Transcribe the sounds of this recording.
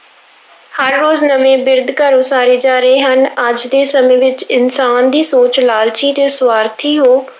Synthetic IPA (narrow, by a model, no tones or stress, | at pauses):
həɾːoːznəmẽːbɪɾd̪kəɾõːsaːɾeːd͡ʒaːɾəeːɦənəd͡ʒd̪eːsəmẽːʋɪt͡ʃɪnsaːnd̪iːsoːt͡ʃlaːlt͡ʃiːt̪eːswaːɾt̪ʰiːɦoː